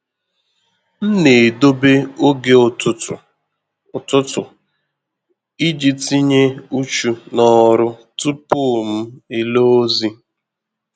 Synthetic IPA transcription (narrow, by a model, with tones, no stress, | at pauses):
n̩˦ne˨do˦be˦o˦ɡe˦˨ʊ˦˨ | tʊ˦tʊ˨ | i˦d͡ʒi˦ti˦ɲe˦u˦t͡ʃu˨nɔ˦ɾʊ˦tu˦pʊ˦˨m̩˦e˨lo˦o˦zi˦